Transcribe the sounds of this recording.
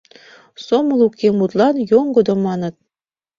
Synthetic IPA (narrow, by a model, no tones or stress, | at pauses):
somɤ̆lˠukːemut̪lˠɑnjoŋɡɤ̆d̪ŏmɑnɤ̆t̪̚